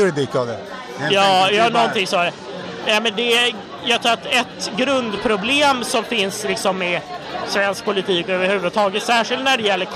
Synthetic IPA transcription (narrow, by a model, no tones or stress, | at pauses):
ɾd̪ɪkːad̪ɛ | jɑːjɑːnɔnt̪ɪŋsɔɾ | nɛmɛnd̪ɛ | jɑːɡ̚t̪ʰɾuːɾat̪ɛt̪ɡɾɵnd̪pʰɾʊbleːmsɔmfɪnslɪksɔmːɛsvɛnsk̚pʰʊlɪt̪ʰiːkɔøːvəɾhʉ̟ːvəd̪ət̪ʰɑːɡət̪sæːʂɪlt̪næɖɛjɛlːəɾk